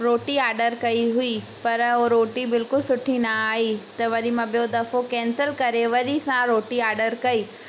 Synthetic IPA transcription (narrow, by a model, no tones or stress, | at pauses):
ɾoːʈiaːɾɖəɾkɐiɦʊi | pɐɾoɾoːʈibɪlkʊlsʊʈʰinɐaːɦit̪ɐʋɐɗimãɓijod̪ɐfokɛ̃ːnsəlkɐɾeʋɐɗisãɾoːʈiaːɾɖəɾkɐiː